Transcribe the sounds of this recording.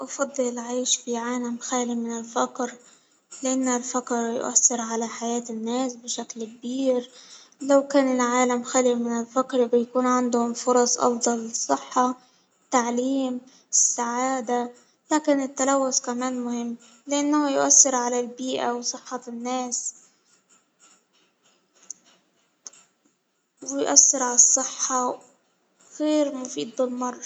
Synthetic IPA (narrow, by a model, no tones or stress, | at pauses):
ʔɑfɑd̪ˤːɨlʕaːʃfiʕaːlamxaːlimɪnɪlfaqɾ | lɪʔanːʊlfakɾjʊ̰ʔa̰sːɪɾʕalaħajaːt̪ɪnːaːsbɪʃaklk̚biːɾ | lawkaːnɪlʕaːlamxaːlimɪnɪlfakɾbɪjakuːnʕand̪hʊmfʊɾˤɑsˤʔɑ̰fd̪ˤɑlsˤɨħːɑ | t̪aʕliːm | ɪsːaʕaːd̪a | laːkɪnɪt̪ːalawːʊskamaːnmʊhɪmː | lɪʔanːhʊjʊʔasːɪɾʕalalbiːʔawsˤɨħːɑnːaːs | wɪjʔasːɪɾʕalɑsˤːɨħːɑ | ɣeːɾmʊfiːd̪̚bɪlmɑrˤː